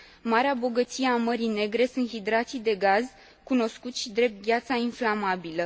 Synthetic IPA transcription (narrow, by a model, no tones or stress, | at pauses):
maɾeabo̞ɡət̪sijeaməɾine̞ɡɾe̞sunt̪hid̪ɾat̪sid̪e̞ɡaz | kuno̞skut̪ʃid̪ɾe̞p̚t̪̚ɡʲjat̪sainflamabilə